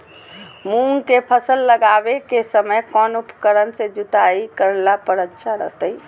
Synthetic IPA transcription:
muŋkepʰəsəlːəɡaːʋekesəməjkɔːnupkəɾənsed͡ʒʊt̪aikəɾlapəɾətːʃʰaɾə̰ɦt̪əi

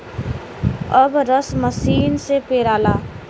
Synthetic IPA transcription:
əbɾəsməsiːnsepeːɾaːlaː

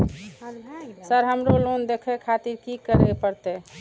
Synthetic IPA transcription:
səɾɦəmɾolond̪ekʰekʰat̪iɾkikəɾepəɾt̪e

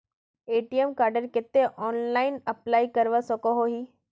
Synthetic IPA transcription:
eːʈiemkaːɾɖəɾket̪ːeʔɔːnlaːɪnəplaːikəɾʋəsəkoɦoɦi

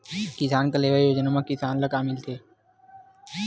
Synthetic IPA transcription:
kɪsaːnkəleːʋajoːd͡ʒnamãkɪsaːnlakaːmɪlt̪ʰeː

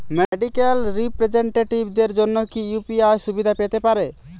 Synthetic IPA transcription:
meɖikelɾipɾed͡ʒeɳʈeʈibd̪eɾd͡ʒonːokijupiajsubid̪ʱapet̪epaɾe

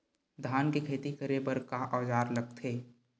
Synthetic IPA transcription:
d̪ʱaːnkekʰeːt̪ikəɾebəɾkaʔɔːd͡ʒaːɾləɡ̚t̪ʰeː

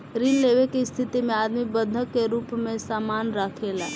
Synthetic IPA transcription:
ɾinleʋekist̪ʰɪt̪imẽaːd̪mibəd̪ʱəkːeɾuːpmẽsaːmaːnɾaːkʰela

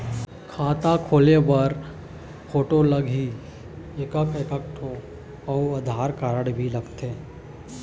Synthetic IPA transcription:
kʰaːt̪akʰoːlebɐɾ | pʰoːʈoləɡʱɦi | ɪkəkɪkəkʈʰo | ɔːʊd̪ʱaːɾkaːɾəɽbʱilɐɡt̪eː

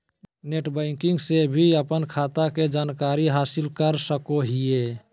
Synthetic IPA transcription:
neʈbəɪŋkiŋɡsebʱiəpənkʰat̪aked͡ʒaːnkaɾiɦaːsilkəɾsəkoɦie

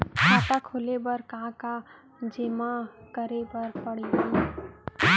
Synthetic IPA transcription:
kaːt̪akʰʊlebɐɾkãka | d͡ʒɪmakəɾebəɾpəɽiɦĩ

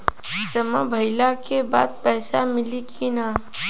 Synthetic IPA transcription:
səməbʱəɪlakeba̰ːd̪̚pəɪsamɪlikʰina

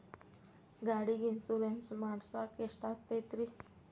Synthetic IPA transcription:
ɡaɽiɡint͡suɾensmaɽsakeʂʈat̪ːet̪ɾi

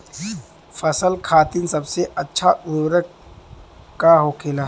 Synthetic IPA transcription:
fɐsəlkʰaːt̪insɐbseʔɐtːʃʰauɾə | kaɦokʰeːlaː

